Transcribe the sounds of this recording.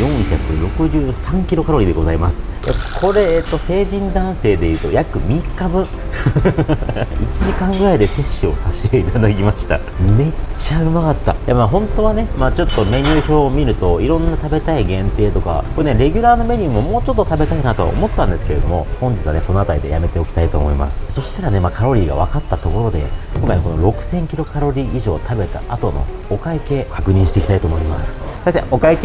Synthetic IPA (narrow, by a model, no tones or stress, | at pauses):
jõ̞ɰ̃çakɯ̟ɾo̞kɯ̟ʑɨːsãŋkʲiɾo̞kaɾo̞ɾʲid̪e̞ɡo̞zaimasɨ̥ | ja̰kʰo̞ɾe̞t̪ːo̞se̞ːʑĩnd̪ãɰ̃se̞ːd̪e̞jɯ̟ːt̪o̞jakɯ̟mʲikːabɯ̟̃ | it͡ɕiʑikãŋɡɯ̟ɾaid̪e̞se̞ɕːɨo̞̰saɕi̥t̪e̞it̪ad̪ak̬ʲimaɕi̥t̪a̰ | me̞t͡ɕaɯ̟makat̪ːa̰jamaːɦõ̞nt̪o̞βane̞maːt͡ɕo̞t̪ːo̞meɲʲɯːço̞ːmʲiɾɯ̟t̪o̞iɾõ̞nːat̪abe̞t̪aiɡẽ̞nt̪e̞ːt̪o̞ka̰koneɾe̞ɡʲɨ̟ɾaːno̞me̞ɲ̟ʲiːmo̞mo̞ːt͡ɕo̞t̪ːo̞t̪abe̞t̪ainat̪o̞̰omo̞t̪ːãnd̪esɨ̥keɾe̞d̪o̞mo̞̰hõ̞ɲ̟d͡ʑitt͡sɨβaneko̞no̞at̪aɾid̪e̞̰jame̞t̪e̞o̞kʲi̥t̪ait̪o̞ːmo̞ima̰sɨ̥so̞ɕi̥t̪aɾane̞makʰaɾo̞ɾʲiːɡa̰βa̰kat̪ːat̪o̞ko̞ɾo̞d̪e̞̰k̪õŋkaɲiko̞noɾo̞kɯ̟̥sẽ̞ŋkʲiɾo̞kaɾo̞ɾʲiːiʑo̞̰ːt̪ʰabe̞t̪a̰ʔat̪o̞no̞̰ | okaike̞kakɯ̟ɲ̟ĩɕi̥t̪e̞ki̥t̪ait̪o̞ːmo̞imasɨ̥saisḛo̞kaike